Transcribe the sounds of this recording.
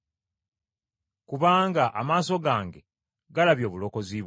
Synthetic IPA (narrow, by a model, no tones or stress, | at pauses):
kuβaːŋɡaʔamaːso̞ɡaːŋɡe | ɡalaβjo̞ːβulo̞ko̞ziβ